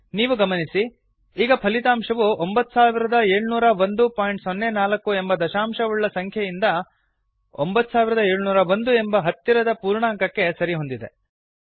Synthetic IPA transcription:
niːʋuɡɐmɐnisi | iːɡɐpʰɐlit̪aːmʂɐʋuombɐt̪ːu̥saːʋiɾɐd̪ɐeːɭunuːɾɐʋond̪upaːjɳʈsonːenaːlɐkːuembɐd̪ɐʃaːmʂɐuɭːɐsɐŋkʰjɐjind̪ɐ | o̰mbɐt̪ːu̥saːʋiɾɐd̪ɐeːɭunuːɾɐʋond̪ue̞mbɐɦɐt̪ːiɾɐd̪ɐpuːɾɳaːŋkɐkːe̞sɐɾiɦond̪id̪e̞

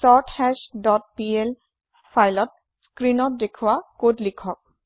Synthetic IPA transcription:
sɔtʰhɛsdɔt̚piel | pʰajlɔt̚ | skɹinɔt̚dekʰuwakodlikʰɔk̚

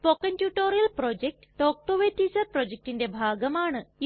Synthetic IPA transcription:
pokːɐntjuːʈːoːɾijɐlprod͡ʑek̚ʈɨ̥ʈoːk̚ʈoːʋetːiːsɐrprod͡ʑek̚ʈinde̞bʱaːɡɐmaːɳɨ

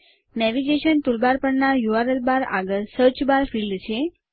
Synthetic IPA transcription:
nɛʋiɡeʃənt̪ulbaɾpəɳnajuʋaɾəlbaɾa̰ɡəɾsəɾt͡ʃbaɾfilɖt͡ʃʰe

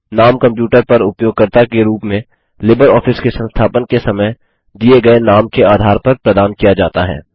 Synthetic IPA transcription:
naːmkɐ̃mpjuːʈəɾpɐɾʊpjoːɡ̚kəɾt̪akeɾuːpmẽ | lɪbəɾɔːfɪskesə̃nst̪ʰaːpənkesɐməj | d̪ieɡɐenaːmkeaːd̪ʱaːɾpɐɾpɾɐd̪aːnkijad͡ʒaːt̪aɦɛ̰ː

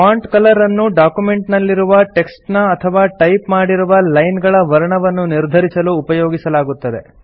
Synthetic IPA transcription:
aːɳʈkɐlɐɾɐnːuɖaːkume̞ɳʈnɐlːiɾuʋɐʈe̞ksʈnɐːt̪ʰɐʋaːʈɐjpmaːɽiɾuʋɐlɐjnɡɐɭɐʋɐɾɐɳɐʋɐnːuniɾd̪ʱɐɾisɐluːpɐjo̞ːɡisɐlaːɡut̪ːɐd̪e̞

